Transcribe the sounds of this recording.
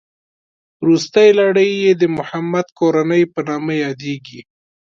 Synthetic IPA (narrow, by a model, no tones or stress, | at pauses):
ɾust̪əjlaɽəjːed̪əmʊhamːad̪koɾanəjpənɑmajɑd̪eɡi